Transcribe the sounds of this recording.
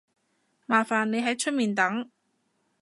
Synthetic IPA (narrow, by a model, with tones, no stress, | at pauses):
maː˨˩faː˨nːe˨˧jɦɐ˨˥jt͡ʃʰɵ˥t̚miː˨nt̪ɐ˨˥ŋ